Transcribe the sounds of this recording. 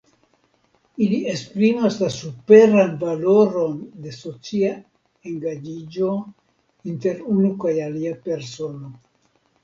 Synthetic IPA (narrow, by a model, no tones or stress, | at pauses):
ilie̞spɾimaslasupe̞ɾanvalo̞ɾo̞nde̞so̞t͡sia | e̞ŋɡad͡ʒid͡ʒo̞ | inte̞ɾunukajaliape̞ɾso̞no̞